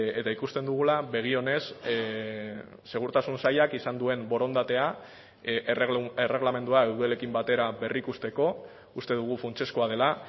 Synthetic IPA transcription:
e̞t̪aikust̪e̞nd̪uɣ̞ulaβe̞ɣ̞io̞ne̞s | se̞ɣ̞uɾt̪asunsajakisand̪ue̞mbo̞ɾo̞nd̪at̪e̞a | ere̞ɣ̞lame̞nd̪uaewðuele̞kimbat̪e̞ɾaβe̞rikust̪e̞ko̞ | ust̪e̞ðuɣ̞ufunt͡ʃe̞skoaðe̞la

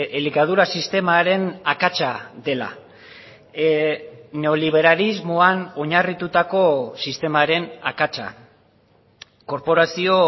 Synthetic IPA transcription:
elikað̞uɾasist̪e̞maɾe̞nakat͡ʃaðe̞la̰ | neoliβ̞e̞ɾalizmoano̞ɲarit̪ut̪ako̞sist̪e̞maɾe̞na̰kat͡ʃa̰ | ko̞ɾpo̞ɾasio̞

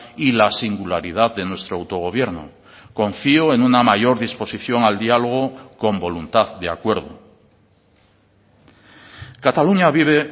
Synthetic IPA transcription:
ilasiŋɡulaɾið̞aððe̞nwe̞st̪ɾoawt̪o̞ɣ̞o̞β̞je̞ɾno | ko̞ɱfioe̞ŋunamaʝo̞ɾðispo̞siθjo̞ŋald̪ialo̞ɣ̞oko̞mbo̞lunt̪aðd̪eakwe̞ɾðo̰ | kat̪aluɲaβiβ̞e

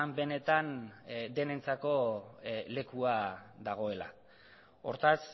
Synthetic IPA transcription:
mbe̞ne̞t̪and̪e̞ne̞nt͡sako̞ | le̞kuaðaɣ̞o̞e̞la̰ | o̞̰ɾt̪as

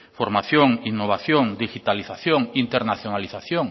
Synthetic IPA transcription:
foɾmaθjoŋinːoβ̞aθjoŋd̪ixit̪aliθaθjoŋint̪eɾnaθjonaliθaθjoŋ

